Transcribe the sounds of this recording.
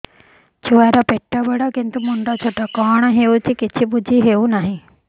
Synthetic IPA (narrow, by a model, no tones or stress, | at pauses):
t͡ʃʰuʋaːɾapeʈːaːbəɽaːkɪnt̪umʊɳɖat͡ʃʰoːʈaːkaːɳ̃ɦeːut͡ʃikɪt͡ʃʰibʊd͡ʒiɦeːunaːɦĩ